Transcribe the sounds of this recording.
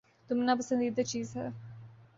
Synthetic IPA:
t̪ʊmenapɐsə̃nd̪iːd̪at͡ʃiːzɦɛ̰ː

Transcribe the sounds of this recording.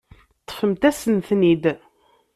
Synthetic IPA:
t̪ːfəmt̪æsənθnid̪

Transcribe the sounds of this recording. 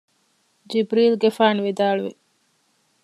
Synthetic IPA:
d͡ʒibɾiːlɡefaːnʋid̪aːɭuʋḭ

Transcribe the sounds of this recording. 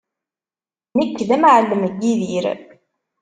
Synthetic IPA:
nəkːðæmʕəlːəmɡːiðiɾ

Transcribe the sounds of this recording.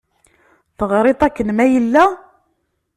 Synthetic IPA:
θəʁɾˤet̪ˤækːənmæjəlːæ

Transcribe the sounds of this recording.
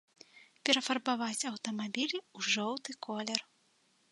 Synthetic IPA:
pʲɛɾɐfɐrbavat͡sʲɐwt̪ɐmabʲilʲuʐɔwt̪ɨkʰɔlʲɛr

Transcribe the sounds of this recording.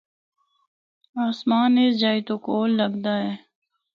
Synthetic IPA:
aːsmaːnesd͡ʒaːit̪okoːlːəɡd̪aːɦɛː

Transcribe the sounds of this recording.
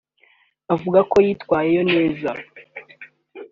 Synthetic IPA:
avuɡako̞jiːtkwaːje̞jo̞ne̞ːza

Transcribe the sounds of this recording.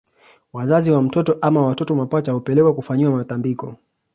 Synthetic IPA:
wazaziwam̩tɔtɔʔamawatɔtɔmapat͡ʃahupɛlɛkwakufaɲiwamatambikɔ

